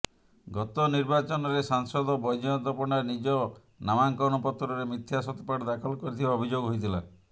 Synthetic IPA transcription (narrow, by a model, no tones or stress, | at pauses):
ɡɔt̪ɔniɾbat͡ʃɔnɔɾesaŋsɔd̪ɔbɔjd͡ʒɔt̪ɔpɔɽaɾnid͡ʒɔ | namaŋkɔwnɔpɔt̪ːɾɔɾemit̪ʰːjasɔt̪ipaɽd̪akʰɔlkɔɾit̪ʰibaɔbʱid͡ʒoɡɦojt̪ʰila̰